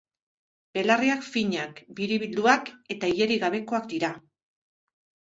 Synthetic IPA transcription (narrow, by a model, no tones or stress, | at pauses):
b̥e̞lariakfiɲakbiɾiβild̪uake̞t̪aije̞ɾiɣaβ̞e̞ko̞akd̪iɾa